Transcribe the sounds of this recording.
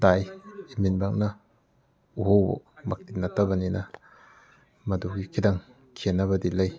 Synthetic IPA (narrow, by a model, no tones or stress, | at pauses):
dajiminbak̚nɐ | uhowbɔ̰mak̚titnɐtʰɐbɐninɐ | mɐduɡikʰidaŋ | kʰenːɐβɐdilɐj